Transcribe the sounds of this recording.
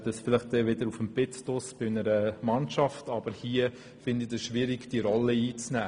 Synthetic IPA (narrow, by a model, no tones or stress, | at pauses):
d̥əsfɪlɪχtɛʋɪd̪əɾufəmb̥ɪttʊsb̥ɪnəɾəmɑnʃɑftɑb̥əɾhiə | fɪnd̪idəsʃʋiɾiɡd̥iɾɔləiːt͡snæː